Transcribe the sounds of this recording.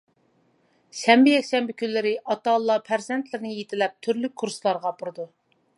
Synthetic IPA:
ʃɛmbɪjɛkʲʃɛmbɪkʲynlːɪɾɪʔɑt̪ɑlˠːɑpʰæɾzɛnt̪ʰlɪɾɪnɪjet̪ʰɪlɛp̚t̪ʰyɾlykʰːuɾslˠɑɾʁɑbuɾɨd̪u

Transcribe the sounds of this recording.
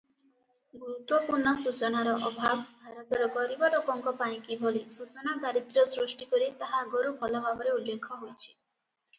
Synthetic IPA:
ɡuɾut̪wɔpuɾɳɔsut͡ʃɔnaɾɔʔɔbʱabbʱaɾɔt̪ɔɾɔɡɔɾibɔɖokɔŋkɔpaɽ̃ĩkibʱɔlisut͡ʃɔnad̪aɾit̪ɾɔsɾusʈikɔɾit̪aɦaɡoɾubʱɔlɔbʱabɔɾeulːekʰɔɦojt͡ʃʰi̥

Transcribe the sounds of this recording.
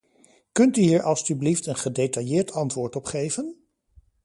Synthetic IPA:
kɵntyɦiːɹʔɑlˠsybliftənχədejtɑjɪːɹtʰɑntʋʊːɹtɔpχejvən

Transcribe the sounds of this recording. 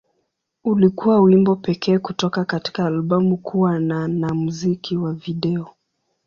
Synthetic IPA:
ulikuwawimbɔpɛkɛːkutɔkakati̥kaːlɓɔmukuwananamuzikiwaviɗɛɔ

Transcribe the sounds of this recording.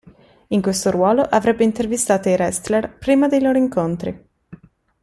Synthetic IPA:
iŋkwest̪oɾwɔːloʔavɾɛbːeint̪ervist̪aːt̪oiɾɛst̪lerpɾiːmad̪ejloːɾoiŋkont̪ɾḭ

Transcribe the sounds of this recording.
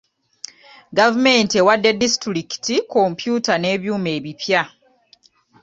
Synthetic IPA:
ɡavume̞nte̞wadːe̞distɾiki̥tiko̞mpjuːtane̞ːβjuːme̞ːβipja

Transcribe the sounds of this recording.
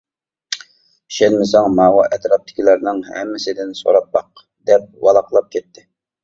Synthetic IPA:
ʃɛnmɪsɑŋmɑːwɑʔɛt̪ɾɑp̚t̪ʰɪ̥kʲʰilæɾnɪŋhɛ̰mːɪsɪd̪ɪnso̰ɾɑt̪̚mɑq̚ | d̪ɛp̚wɑlˠɑqlˠɑp̚kʲʰɛt̪ːɪ

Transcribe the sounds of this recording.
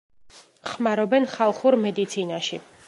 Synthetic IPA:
χmaɾɔbɛnχalˠχuɾmɛd̪it̪sʰinaʃi

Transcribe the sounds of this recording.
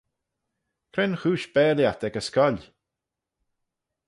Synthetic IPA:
kʰɾɛnxuːʃb̥ɛːljat̪ɛɡəskɔl

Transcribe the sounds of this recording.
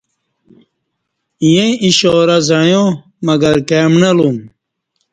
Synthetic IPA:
ijẽiɕɔːɾazajõ | mɐɡɐɾkeːmnɐlum

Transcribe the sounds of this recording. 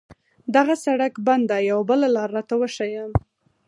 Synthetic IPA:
d̪aɣasaɽakband̪ajawabəlalɑɾːɑt̪awəʃajam

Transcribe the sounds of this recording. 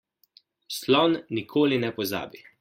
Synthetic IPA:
slɔnːikʰoːlinɛpɔza̰ːbi

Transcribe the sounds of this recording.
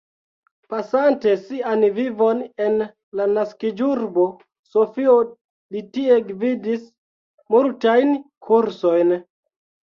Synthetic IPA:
pasante̞sianvivo̞ne̞n | lanaskid͡ʒuɾbo̞ | so̞fio̞ | litie̞ɡvidis | multajnkʰuɾso̞jn

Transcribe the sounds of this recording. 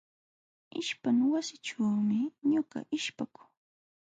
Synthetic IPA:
ɪʃpaŋwasɪʈ͡ʂaːmɪɲʊɢɑ̰ʔɪʃpakʊ̥ŋ

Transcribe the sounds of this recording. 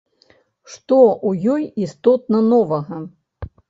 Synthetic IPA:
ʂt̪ɔʔujɔjist̪ɔt̪̚nɐnɔvɐɣɐ

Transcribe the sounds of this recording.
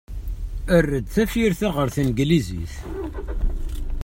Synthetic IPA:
ərːəd̪θæfiɾθaʁəɾθənɡlizḭθ

